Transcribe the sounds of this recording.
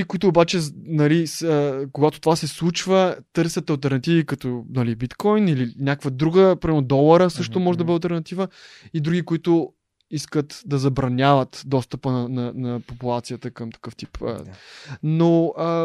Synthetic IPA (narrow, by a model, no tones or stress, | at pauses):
ikʊit̪ʊːbat͡ʃɛnɐlisəkoɡat̪ot̪ovasɛslˠut͡ʃvət̪ɤɾsʲət̪ɐlˠt̪ɛɾnɐt̪ivikɐt̪ɔnɐlibit̪kɔjnilinʲakvəd̪ɾuɡəpoɾiɛnod̪ɔlˠəɾəsɤʃt̪omɔʒɛd̪ɐbəɐlˠt̪ɛɾnɐt̪ivəid̪ɾuɡʲikʊit̪ʊ | iskət̪d̪ɐzɐbɾɐnʲavət̪d̪ɔst̪əpənɐnɐnɐpopulˠat̪sijət̪əkəmt̪ɐ̥kɤft̪i̥pʰː | noə